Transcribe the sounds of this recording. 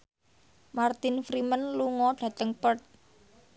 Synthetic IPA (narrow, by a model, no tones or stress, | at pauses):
mart̪ɪnfɾimənluŋɔɖ̥ä̤t̪əŋpərt̪̚